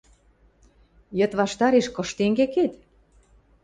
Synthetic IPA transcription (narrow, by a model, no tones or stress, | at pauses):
jə̆t̪βɑʃt̪ɑɾeʃkɤ̆ʃt̪eŋɡeket̪